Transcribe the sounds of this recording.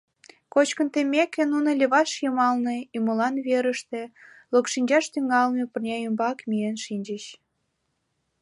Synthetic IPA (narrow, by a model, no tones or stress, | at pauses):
kot͡ɕkə̆nt̪emʲekĕnunə̆lʲeβɑʃjɤmɑlnĕiməlɑnβeɾəʃt̪ĕ | lokʃinʲd͡ʑɑʃt̪yŋɑlnepərnʲɑjømbɑkmijenʃinʲd͡ʑəɕ